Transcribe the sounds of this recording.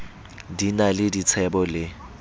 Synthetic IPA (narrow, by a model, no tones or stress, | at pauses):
dinalɪdit͡sʰɛbɔlɪ